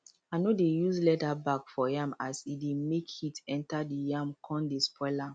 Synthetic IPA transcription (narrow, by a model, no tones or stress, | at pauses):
anodejuslɛtabakfɔjãmasidemekʰitɛ̃ntadijãmkʰɔ̃ndespʰɔɪla